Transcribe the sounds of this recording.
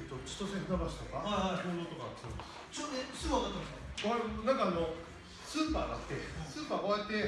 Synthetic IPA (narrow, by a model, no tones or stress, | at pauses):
t̪ot͡ɕi̥t̪osẽnt̪abaɕi̥t̪o̞kaaaoːd̪ot̪okasod̪ | t͡ɕonesɨɡak̪at̪ːemaɕakonãŋkaːno̞ | sɨːpaːd̪at̪ːe̞sɨːpaːko̞jat̪ːe̞